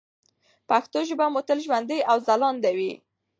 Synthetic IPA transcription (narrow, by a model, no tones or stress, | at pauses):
paxt̪oʒəbamot̪əlʒwand̪əjʔawzalɑnd̪awi